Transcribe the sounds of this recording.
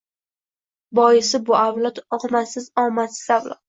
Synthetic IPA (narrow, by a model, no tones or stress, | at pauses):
bɒjɪsɪbʊawlˠat̪ɒqmasɪzɒmasɪzawla̰t̪